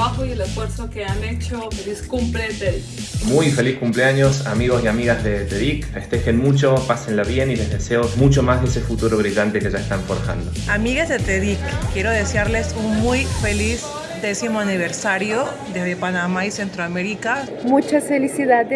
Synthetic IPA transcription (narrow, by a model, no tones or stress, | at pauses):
βaxoielesfweɾsokeanet͡ʃofeliskumplet̪eðikmujfe̞liskumpleaɲo̞sa̰miɣo̞siamiɣazðe̞t̪eðikfe̞st̪e̞xenmut͡ʃopasenlaβje̞nile̞zðese̞osmut͡ʃo̞mazðesefut̪uɾoβɾiɣant̪e̞keʒaest̪aɱfoɾxa̰nd̪oamiɣezðet̪eðikːje̞ɾoðesjaɾlesunmujfeliz | d̪esimoaniβ̞eɾsaɾjo | d̪ezðepanamaisent̪ɾoameɾika | mut͡ʃasfelisiðað